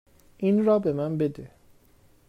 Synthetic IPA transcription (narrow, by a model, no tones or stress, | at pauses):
in̩ɾɔbemam̩bede